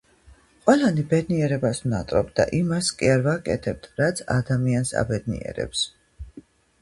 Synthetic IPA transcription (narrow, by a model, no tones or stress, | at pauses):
qʼwɛlanibɛd̪niɛɾɛbasvnat̪ʼɾɔbd̪a̰ʔimaskʼiaɾvakʼɛt̪ʰɛb̚t̪ʰɾat̪sʰa̰d̪amiansa̰bɛd̪nḭɛ̰ɾɛ̰ps